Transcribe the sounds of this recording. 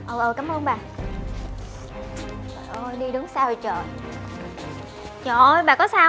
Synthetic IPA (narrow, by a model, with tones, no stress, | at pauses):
ʔəː˨˩ʔəː˨˩kaː˨˦mʔəː˧nɓaː˨˩ | ə˨˩ʔəː˧˩jɗi˧ɗɨ˨˦ŋsaː˧ho˨˩t͡ɕəː˨˩ | t͡ɕɔː˧˩ʔjɓaː˨˩kɔ˨˦saː˧